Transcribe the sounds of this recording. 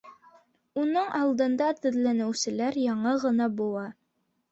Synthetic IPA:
unɤɴʔɑlˠd̪ɤ̆nd̪ɑt̪ɵ̆ðlænɘ̆wsɘ̆læɾjɑɴɤʁɤ̆nɑbulˠɑ

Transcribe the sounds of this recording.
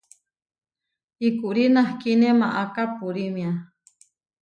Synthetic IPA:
ikuʔɾinahkinemaʔakapuɾimja

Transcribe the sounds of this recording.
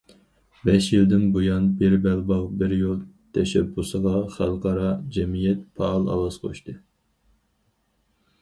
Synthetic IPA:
bɛʃjild̪ɪnbojɑnbɪɾbɛlbɑʁbɪɾjolˠt̪ʰɛʃɛbːusəʁɑχælˠqɑɾɑd͡ʒɛmijɛt̪̚pʰɑːlˠɑ̰lˠɑsqʰo̰ʃt̪ɨ

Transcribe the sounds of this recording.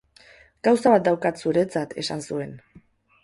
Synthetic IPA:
ɡ̥awsaβat̪̚d̪awkat̪suɾe̞t͡sat̪ʰe̞sansue̞n

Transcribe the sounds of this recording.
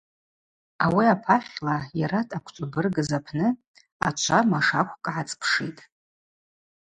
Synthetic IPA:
awiapʰaχʲlajaɾatʰʼakʷʰt͡ʃʷʼabɨrɡɨzapʰnɨ | a̰t͡ʃʷʰamaʂakʷʰkʼʕat͡sʼpʰʂitʼ

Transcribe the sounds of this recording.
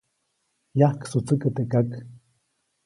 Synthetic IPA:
jahksut͡səkət̪ekak

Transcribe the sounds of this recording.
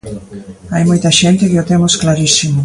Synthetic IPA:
ajmojt̪ɐʃent̪ɪkɪot̪emosklaɾisimo

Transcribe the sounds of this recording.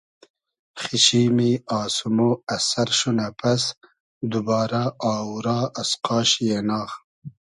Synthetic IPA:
xiʃiːmiɑːsumoɐsaɾʃunapʰas | d̪ubɑːɾaɑːuɾɑːʔasqɑːʃjenɑːx

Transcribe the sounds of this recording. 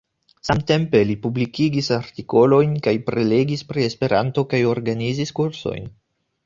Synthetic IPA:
samte̞mpe̞lipublikiɡisaɾtiko̞lo̞jnkajpɾe̞le̞ɡispɾie̞spe̞ɾʔanto̞kajo̞ɾɡaniziskuɾso̞̰jn

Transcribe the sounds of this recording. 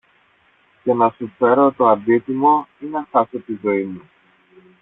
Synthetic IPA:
cenɐsufeɾot̪oɐnd̪it̪imo̞inɐxɐset̪izo̞imu

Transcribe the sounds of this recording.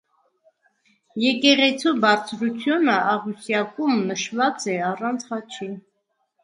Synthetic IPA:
jɛkɛʁɛt͡sʰubɑɾt͡sʰɾut͡sʰjunəʔɑʁusjɑkumnəʃvɑt͡sɛɑrɑnt͡sʰhɑt͡ʃʰi

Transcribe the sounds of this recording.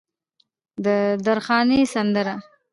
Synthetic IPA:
d̪əd̪aɾxɑnesand̪əɾa

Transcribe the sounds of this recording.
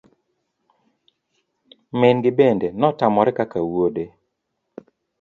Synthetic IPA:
mɪnɡɪbendenɔtamɔɾɛkakawode

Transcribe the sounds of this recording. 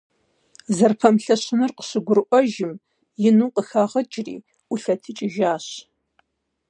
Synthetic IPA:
zɐrpʰɐmɬɐɕɪnɨrqə̥ɕɪɡʷʊɾʔʷɔʒɪm | jɪnuːqəxaːʁɐd͡ʒʼrḭː | ʔʷʊɬɐtʰɨt͡ʃʼɪʒaːɕ

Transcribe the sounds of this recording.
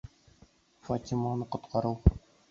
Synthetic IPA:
fat̪ʲimanɤqŏt̪qʰɑɾɤw

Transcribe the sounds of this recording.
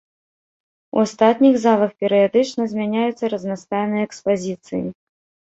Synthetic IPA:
ṵast̪at̪ʲnʲiɣzalˠɐxpʲɛɾɨjad̪ɨt͡ʂnɐzʲmʲanʲajut̪sːɐɾɐznast̪ajnɨjɐɛkspazʲit̪sɨjḭ

